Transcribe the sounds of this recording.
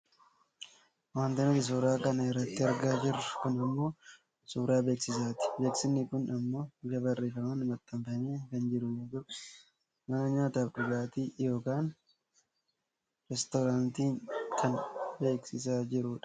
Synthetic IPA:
waːnt̪ɪnfɪs̬uːɾaːkɐnɐɪrːɐt̪ːɪɐɾɡaːd͡ʒɪrːʊ̥kʊnɐmːo̞ː | suːɾaːbeːksɪs̬aːt̪ɪ̥beːksɪnːɪkʊnɐmːo̞ːɪɡɐbɐrːeːfɐmɐnɪmɐt̪ːɐmfɐmeːkɐnd͡ʒɪɾʊjoːd͡ʒʊ̥ | mɐnɐɲaːt̪ɐːfɾɪkaːt̪iːjo̞ːkaːn | ɾɛst̪ɔɾaːnt̪iːŋkɐnbe̞ːksɪsaːd͡ʒɪɾʊᶑɐ̥

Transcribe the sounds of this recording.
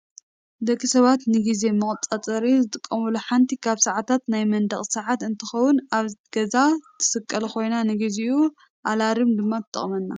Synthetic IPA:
d̪ɐkʰʼːisɐβat̪nɨɡize̞mɨχʼt͡sʼat͡sʼɐɾizɨt̪ʼɨkʼːɐmuluħant̪ʰikʰaβsɐʕat̪ʰat̪najmɐnd̪ɐχʼsaʕat̪ɨnt̪ʰɨxɐwʊnaβɡ̥ɐzat̪ʰɨ̥sɨkʼːɐlkʰo̞jnanɨɡiziʔu | ʔalaɾɨmd̪ɨmːat̪ʰɨt̪ʼːɐ̰χʼmɐnːa

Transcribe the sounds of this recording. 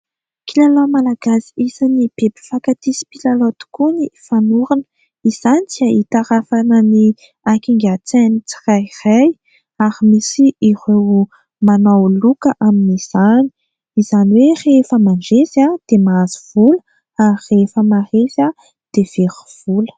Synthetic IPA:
kilalomalaɡasiisanib̥ebi̥fakat̪isi̥pilalot̪u̥kunifanuɾanə | iz̥anit͡siait̪aɾafanəni | akiŋɡat͡senit͡si̥rajraj | aɾimisiirew | manawlukəʔaminiz̥ani̥ | iz̥aniwerefəmaɳd͡ʒezad̪̥emaaziv̥ulə | arefəmaresa | d̪̥ev̥eɾiv̥ulə̥

